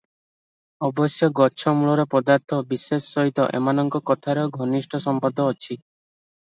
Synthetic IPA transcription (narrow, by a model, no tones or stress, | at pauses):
ɔbɔsjɔɡɔt͡ʃʰɔmuɭɔɾɔpɔd̪aɾt̪ʰɔbisesɔːɔɦit̪ɔ̰ʔḛmanɔŋkɔkɔt̪ʰaɾɔɡʱɔnisʈʰɔsɔmpɔd̪ʱɔːt͡ʃʰi